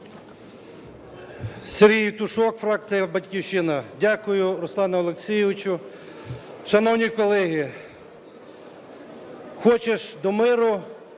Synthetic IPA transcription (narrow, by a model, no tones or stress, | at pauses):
seɾɦʲijt̪ʊʃɔkfɾɑk̪̚t͡s̪ijɐbɐtʲkʲiwʃɪnɐdʲakʊjʊɾʊslˠɑnɐɔlˠeksʲijɪʋɪt͡ʃʊ | ʃɐnɔwnʲikɔlˠɛɦi | xɔt͡ʃeʃd̪ɔmɪɾʊ